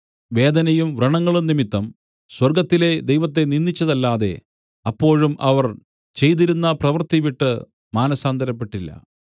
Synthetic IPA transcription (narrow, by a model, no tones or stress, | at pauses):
ʋe̞ːd̪ɐnɐjumʋrɐɳɐŋːɐɭumnimit̪ːɐm | swɐrɡɐt̪ːile̞d̪ejʋɐt̪ːe̞ninːit͡ɕːɐðɐlːaːðe̞̰ | ɐpːo̞ːɻumʔɐʋɐr | t͡ɕe̞jt̪̬iɾunːɐprɐʋɐrt̪iʋiʈːɨ | maːnɐsaːnd̪ʱɐɾɐpːe̞ʈːilːɐ̰